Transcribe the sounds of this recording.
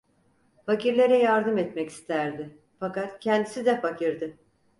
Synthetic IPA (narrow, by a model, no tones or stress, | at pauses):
faciɾlʲeɾɛjaɾd̪ɯmɛt̪mɛci̥st̪ʰæɾd̪ɪ | fakat̪cʰɛnd̪isid̪ɛfacɯɾd̪ɯ